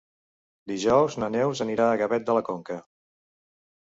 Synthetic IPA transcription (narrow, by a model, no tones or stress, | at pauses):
d̪iʒɔwznənɛwzəniɾaːɣəβɛt̪̚d̪ələkoŋkə